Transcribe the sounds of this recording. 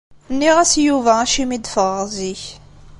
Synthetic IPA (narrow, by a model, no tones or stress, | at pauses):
nːiʁæsjuvææʃimid̪fəʁəʁziç